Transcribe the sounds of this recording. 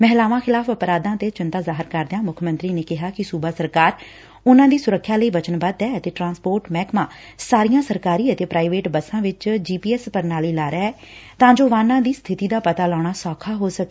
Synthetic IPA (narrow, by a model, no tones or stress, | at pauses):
mɛːɦlaːʋãːxʰɪlaːpʰəpɾaːd̪ãːt̪eːt͡ʃɪnt̪ãːzaːɦɪɾkəɾd̪ãːmʊkʰəmə̃nt̪ɾiːneːkɪɦaːkɪsuːbaːsəɾkaːɾ | ʊnãːd̪iːsʊɾəkʰːjaːləiːbət͡ʃənbaːd̪ɛːət̪eːʈɾãːspoːɾʈmɛːkmãː | saːɾijãːsəɾkaːɾiːət̪eːpɾaːiʋeːʈbəsãːʋɪt͡ʃd͡ʒiːpiːɛːspəɾnaːliːlaːɾaːɛː | t̪ãːd͡ʒoːʋãːnãːd̪iːst̪ʰɪt̪iːd̪aːpət̪aːlɔːɳ̃aːsɔːkʰaːɦoːsəkː